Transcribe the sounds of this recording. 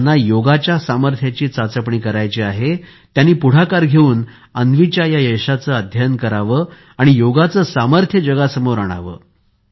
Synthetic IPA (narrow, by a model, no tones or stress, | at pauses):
nːajoɡat͡ɕjasaməɾt̪ʰjat͡ɕiːt͡sat͡səpɳiːkəɾajt͡ɕeaɦe | t̪janːiːpuɽ̤akaɾɡʱeuːn | ənʋit͡ɕjajajeɕat͡səːəd̪ʱjankəɾaʋə | aɽ̃ijoɡat͡səːsaməɾt̪ʰjəd͡ʑəɡasəmoɾaɽ̃a̰ʋə̰ː